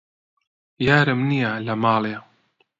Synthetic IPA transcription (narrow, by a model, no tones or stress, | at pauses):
jaːɾɨmnijalɐmaːle